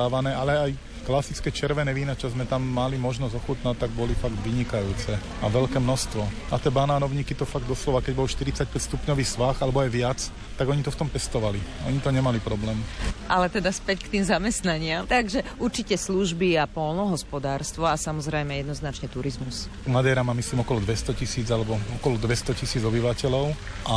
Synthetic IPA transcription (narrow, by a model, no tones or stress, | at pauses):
aːʋanɛːalɛaj | klasit͡skɛt͡ʃɛɾʋɛnɛʋiːnat͡ʃɔzmɛt̪amːalimɔʒnɔzɔxut̪natt̪ːaɡ̚bɔlifaɡt̪ʋiɲikajuːt͡sɛ | aʋɛʎkɛːmnɔst̪ʋɔat̪ɛːbanaːnɔʊɲiːkit̪ɔfaɡ̚d̪ɔslɔʋakɛɟbɔlʃt̪iɾit͡sac̚pɛcst̪upɲɔʋiːsʋaxalɛbɔajʋɪat͡s | t̪aɡɔɲit̪ɔft̪ɔmpɛst̪ɔʋaliʔɔ̰ɲit̪ɔɲɛmalipɾɔblɛːmʔalɛt̪ɛd̪aspɛckt̪imzamɛst̪naɲɪamt̪aɡʒɛʔuɾt͡ʃicɛsluʒbiapɔlnɔɦɔspɔd̪aːɾst̪ʋɔasamɔzɾɛjmɛjɛd̪nɔznat͡ʃɲɛt̪uɾizmus | mad̪ɛːɾamaːmisliːmɔkɔlɔd̪ʋɛst̪ɔcisiːd͡zalɛbɔɔkɔlɔd̪ʋɛst̪ɔcisiːd͡zɔbiʋacɛlɔʊ | ʔa